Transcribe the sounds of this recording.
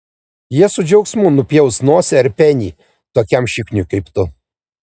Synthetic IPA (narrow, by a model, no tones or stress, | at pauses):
jiɛsʊd͡ʒʲɛʊksʲmuːnʊpʲjɛʊsnoɔsʲɛɐɾʲpʲɛnʲḭː | t̪oːkʲɛmʃʲɪknʲʊkɐɪpt̪ʊ